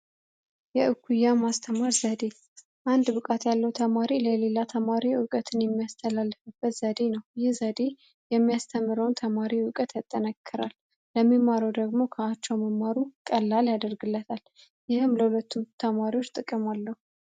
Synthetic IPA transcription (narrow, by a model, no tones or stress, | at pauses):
jɛʔɨkʰːujːamast̪ʰəmaɾzəd̪e̞ | ʔand̪bɨkʼat̪jalːəwt̪ʰəmaɾiləle̞lat̪ʰəmaɾiʊkʼət̪ʰɨnjɛmːijast̪ʰəlalːɨfɨb̥ːət̪z̥əd̪e̞nəwjɪhzəd̪e̞ | jɛmːijast̪ʰəmːɨɾəwnt̪ʰəmaɾiwʊkʼət̪jat̪ʼːənəkʰːɨɾalː | əmːimːaɾəwd̪əɡmo̞kʰəat͡ʃːɛwməmːaɾukʼəlːaljad̪əɾɡɨlːət̪ʰal | jɪhɨmləhulət̪ːumt̪ʰəmaɾiwot͡ʃːt̪ʼɨkʼːɨmalːəhu